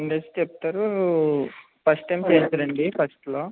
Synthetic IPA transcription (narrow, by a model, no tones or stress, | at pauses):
iɳɖesʈt͡ʃep̚t̪aːɾu | pɐsʈɐjmt͡ʃeːsɐːɾɐɳɖipʰɐsʈlo̞ː